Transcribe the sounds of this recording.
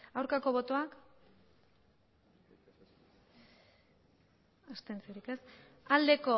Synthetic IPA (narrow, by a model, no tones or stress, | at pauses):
awɾkako̞βo̞t̪o̞ak | ast̪ent͡seɾike̞s | ald̪e̞ko̞